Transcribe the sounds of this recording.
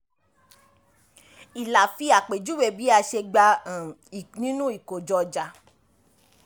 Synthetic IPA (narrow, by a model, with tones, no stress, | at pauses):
i˨la˨fi˧a˨k͡pe˨d͡ʒu˦we˦˨bi˨˦a˧ʃe˧ɡ͡ba˧˨ | nĩ˦nũ˦i˨ko˨d͡ʒɔ˧d͡ʒa˧